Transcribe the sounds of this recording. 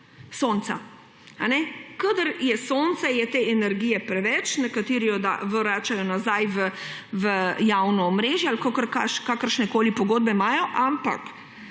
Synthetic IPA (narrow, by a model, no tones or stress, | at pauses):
soːnt̪sa̰ | anɛkad̪əɾjɛsoːnt̪sɛjɛt̪eːɛnɛɾɡiːjɛpɾɛʋɛt͡ʃnɛkat̪iːɾijɔd̪a̰ʋɔɾaːt͡ʃajɔnazajʋəʋəjawnɔːmɾeːʒjɛalkokəɾkaʃkakəɾʃnɛkoːlipɔɡoːd̪̚bɛmajɔʔampa̰k